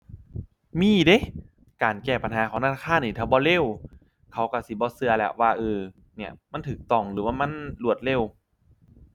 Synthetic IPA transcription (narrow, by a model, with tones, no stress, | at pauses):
miː˧˩˨de˧˥˦ | kaː˨˩nkɛː˧˩pa˨nɦaː˨˦kʰaː˨˦na˧naː˧aː˧˥˨nːiː˧˩t̪ʰaː˧˩bɔː˧˦le˧˥˨w | kʰa˧˩wka˧˩si˧˦bɔː˧˦sɯ˧ɐlɛ˧˩wwaː˧ʔɯː˧˩ | ni˧˩ɐma˧˥˨t̪ʰɯː˨˩˦k̚t̪ɔ˧˩ŋlɯː˨˦waː˧˨ma˧˥˨nlu˧˩ət̪̚le˧˩˨w